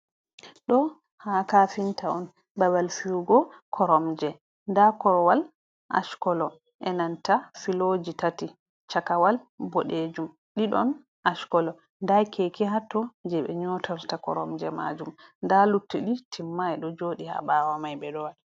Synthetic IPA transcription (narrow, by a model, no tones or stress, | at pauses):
ɗɔ | hakafintaɔn | babalfiuɡɔkʰɔɾɔmd͡ʒɛ | ndakɔɾwal | ʔa̰ʃkɔlɔ | ʔɛnantafilod͡ʒitati | t͡ʃakawalbɔɗed͡ʒum | ɗiɗɔn | ʔaʃkɔlɔ | ndajkʰekiɦatːɔd͡ʒɛɓɛ̰ɲɔtaɾtakɔ̰ɾɔmd͡ʒɛma̰d͡ʒumndalutːiɗitʰimːaɛɗɔd͡ʒoːɗiha̰ɓaːwamajbɛɗɔwaɗi